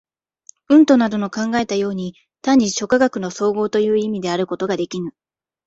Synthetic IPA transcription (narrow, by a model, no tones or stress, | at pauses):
ɯ̟̃nt̪o̞nad̪o̞no̞kãŋɡae̞t̪ajo̞ːɲ̟i | t̪aɲ̟ːiɕo̞kaɡakɯ̟no̞so̞ːɡo̞ːt̪o̞jɯ̟ːimʲid̪e̞aɾɯ̟ko̞t̪o̞ɡad̪e̞kʲinɯ̟